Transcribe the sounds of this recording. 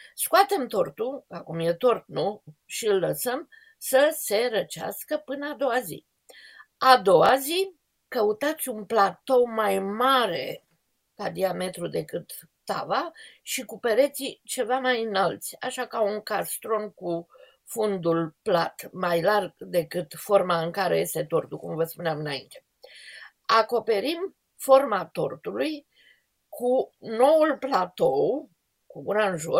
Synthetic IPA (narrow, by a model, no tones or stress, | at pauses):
skuat̪e̞mt̪o̞rt̪uakumje̞t̪o̞rt̪̚nuʃiɨlːəsəm | səse̞ɾət͡ʃea̰skəpɨnəad̪o̞wazḭ | ad̪o̞wazi | kəut̪at̪sʲunplat̪o̞majmaɾe̞̰ | kad̪iame̞t̪ɾud̪e̞kɨt̪ː | a̰vaʃikupeɾe̞t̪sit͡ʃe̞vamajɨnalt̪sʲa̰ʃakauŋkast̪ɾo̞nku | fund̪ulplat̪majlarɡd̪e̞kɨt̪fo̞rmaɨŋkaɾḛje̞st̪e̞t̪o̞rt̪ukumvəspuneamɨnaint̪e̞ | ako̞pe̞ɾim | fo̞rmat̪o̞rt̪uluj | kʰuno̞wulplat̪o̞w | kuɡunanʒo